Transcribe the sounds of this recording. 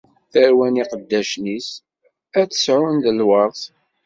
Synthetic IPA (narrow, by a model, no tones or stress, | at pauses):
θəɾwæniqəd̪ːæʃnis | æt͡sːə̥sʕʊnðəlwɑɾˤθ